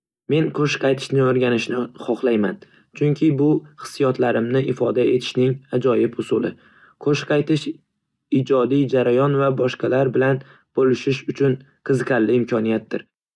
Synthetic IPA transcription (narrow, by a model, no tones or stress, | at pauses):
me̞nqʰoʃqʰɑjt̪ʰɪ̥ʃnɪoɾɡʲanɪʃnɪχɒχlˠajman | t͡ʃʰʊŋkʲʰɪbʊχɨ̥sijɒt̪ʰlaɾɪmnɪʔɪfɒd̪ae̞t̪ʰɪ̥ʃnɪŋad͡ʒɒjɪpʊsʊlˠɪ | qʰoʃqʰɑjt̪ɪʃ | ɪd͡ʒɒd̪ijd͡ʒaɾajɒnvabɒʃqɑlaɾbɪlan | b̥olɪʃɪʃʊt͡ʃʰʊn | qʰɨzɨqʰɑɾlɪɪmkʲʰɒnijat̪̚d̥̪ɪɾ